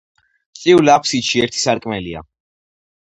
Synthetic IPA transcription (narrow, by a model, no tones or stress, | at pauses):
sʼiulapʰsiʃiɛɾt̪ʰi̥saɾkʼmɛlia̰